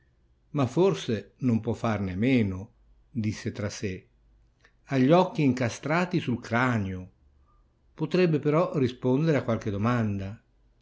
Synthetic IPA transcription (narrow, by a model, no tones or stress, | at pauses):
mafːorsenompwɔfːarnemeːno | d̪isːet̪ɾase | aʎːɔkːiːŋkast̪ɾaːt̪isulkɾaːnjo | pot̪ɾɛbːepeɾɔrispond̪eɾeakːwalk̟ed̪omand̪a